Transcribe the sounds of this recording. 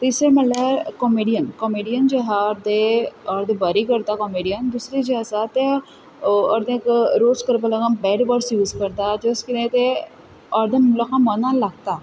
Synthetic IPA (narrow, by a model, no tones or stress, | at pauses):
t̪isɾemɛ̃ːlɛːɾkɔmeːɖijənkɔmeːɖijənd͡ʒeɦaɾd̪eɔːɾd̪ebaɾiːkəɾd̪aːkɔmeːɖijənd̪usɾid͡ʒesat̪e | ɔɾd̪ẽkɾoːskəɾbəlaɡəmbɛːɖbəɽsjuːzkəɾd̪aːd͡ʒeskɪnẽːt̪e | ɔːɾd̪emʊlakãmənãːlɐɡt̪aː